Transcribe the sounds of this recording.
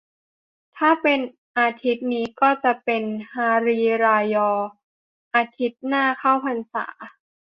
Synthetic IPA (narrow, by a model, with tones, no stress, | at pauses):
t̪ʰaː˥˩pe˧n | ʔaː˧t̪ʰi˦˥t̪̚niː˦˥kɔː˥˩t͡ɕa˨˩ʔpe˧nhaː˧ɾiː˧ɾaː˧jɔː˧ | ʔaː˧t̪ʰi˦˥t̪̚naː˥˩kʰa˥˩wpʰa˧nsa̰ː˩˦